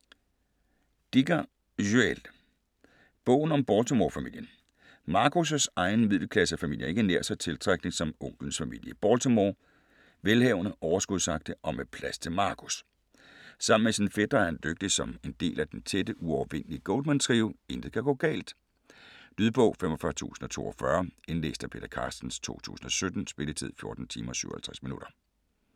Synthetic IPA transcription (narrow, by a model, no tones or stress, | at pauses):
d̥iɡ̥ɐ | ʒyel | b̥ɔ̰̽ʊ̰n̩ɒ̽mb̥ɒːlt͡sʰomɒːfæmil̰jən | mɑ̈ːkʰus̬əsɑ̈ɪnmið̰ˠləkʰlæsəfæmil̰jɐe̝ɡ̥əneɐsɑ̈ɪt͡sʰe̝lt͡sʰʁaɡ̥ne̝ŋsɒ̽mɔ̽ŋ̰ɡ̥ln̩sfæmḭl̰jəb̥ɒːlt͡sʰomoː | ʋelhɛʊnəʔɒʊɐsɡ̥uðˠsɑ̈ɡ̥̚d̥əʔɒ̽mepʰlæst͡sʰe̝lmɑ̈ːkʰus | sɑ̈m̰n̩mesinfed̥ʁɐɐhænd̥øɡ̥̚d̥isɒ̽me̝nd̥e̝̰ːlʔæd̥ent͡sʰedəʔuɒʊʋen̰liəɡ̥ɔld̥mænsʰʁiːʊe̝nd̥əðkʰæɡ̥ɔ̰ːɡ̥ɛ̰ːld̥ | d̥yðˠb̥ɔ̰̽ʊ̰femɒfɶɐt͡sʰṵːsn̩ɒ̽t͡sʰo̝̰ːɒfɶɐe̝nle̝̰ːsd̥æpʰe̝̰ːd̥ɐkʰɑ̰̈ːsd̥n̩st͡sʰo̝̰ːt͡sʰṵːsn̩ɒ̽sød̥n̩sb̥e̝lət͡sʰið̞̰ˠfjo̝ɐd̥n̩t͡sʰḭːmɐsyʊ̰ɐhælt͡sʰʁɛsminuɾ̥ɐ